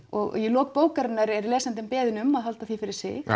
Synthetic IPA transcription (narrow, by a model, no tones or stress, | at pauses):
ɔɣjɛlɔːk̚poːwkaɾɪnːaɾɛɾlɛːsɛnt̪ɪmpɛːðʏnʏmaðɦalt̪aθifɪɾɪɾ̥sɪ̰x